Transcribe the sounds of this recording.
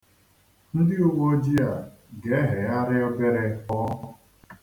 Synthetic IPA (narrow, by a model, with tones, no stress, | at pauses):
n̩˦dɪ˦ʊ˦wʷo˦d͡ʒi˦a˨ | ɡe˨˦ɦe˨a˦ɾɪ˦ɔ˦be˦ɾe˦ɔ˦ɦʊ˨